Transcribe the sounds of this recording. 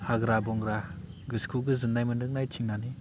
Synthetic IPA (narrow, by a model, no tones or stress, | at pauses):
haɡɾabɔŋɡɾa | ɡɯskʰulɡɯzɯnːajmɯnɯk̚najtʰiŋnani